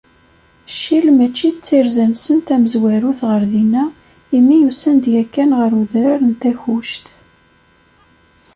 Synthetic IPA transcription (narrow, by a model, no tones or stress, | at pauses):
ʃːilmæt͡ʃːiθt͡sːiɾzænsənt̪æməzwæɾuθʁəɾðinæ | imːijusænd̪jækːænʁəɾuðɾaɾənt̪æçuʃt̪